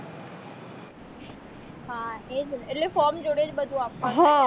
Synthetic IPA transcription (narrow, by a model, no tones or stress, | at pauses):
ɦãɦed͡ʑeʈlefɔːɾmd͡ʑoːɽed͡ʑbəd̪ʱũaːp̚kãɦã